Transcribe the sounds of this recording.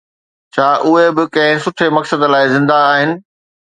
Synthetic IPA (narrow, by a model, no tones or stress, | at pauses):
t͡ɕʰaːʔʊɦebɪkɐ̃ɦɪ̃sʊʈʰemɐksəd̪laːɪzɪ̃nd̪aːɦɪnɪ̆